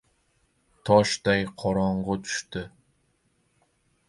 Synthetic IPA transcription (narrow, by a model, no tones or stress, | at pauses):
t̪ʰɒʃd̪ajqʰɒɾɒɴʁʊt̪ʰʊ̥ʃt̪ɪ